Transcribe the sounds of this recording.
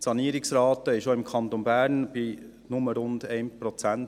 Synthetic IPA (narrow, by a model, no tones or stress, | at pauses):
sɑniəɾɪksɾɑːt̪əɪʃoɪmkʰɑnt̪onbæːɾnb̥i | nʊməɾʊndɛɪnpɾɔt͡sænt